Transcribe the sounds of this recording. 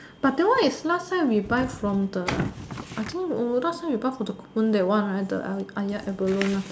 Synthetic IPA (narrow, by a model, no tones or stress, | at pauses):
b̥at̚dɛwãnislasajwibajfɹɔ̃mdəʔajt̪ʰĩŋəɹasawibajfɔdəku̥pũndɛtwãnadə̰ʔajaʔɛbəlonla